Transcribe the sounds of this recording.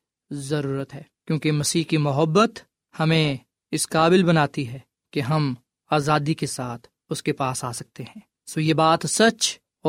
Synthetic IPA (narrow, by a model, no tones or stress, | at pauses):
zɐɾuːɾət̪ɦɛːkjõːkemɐsiːɦkimʊɦəbːət̪ | hɐmẽ | ɪsqaːbɪlbɐnaːt̪iɦɛː | keɦɐm | aːzaːd̪ikesaːt̪ʰ | ʊskepaːsaːsɐk̚t̪eɦɛ̃ː | soːjebaːt̪sɐt͡ʃ | ɔː